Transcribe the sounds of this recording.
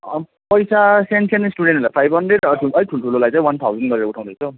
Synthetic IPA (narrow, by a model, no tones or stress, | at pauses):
ʌ | pʌjsasensʰensʈuɽenʈlajpʰajbʱɦʌnɖreɖʌʌɾiʈʰuloʈʰulolajt͡sãĩwant̪ʰawd͡zʌnɡʌɾeɾʌuʈʰãw̃d̪ʌjt͡sʰo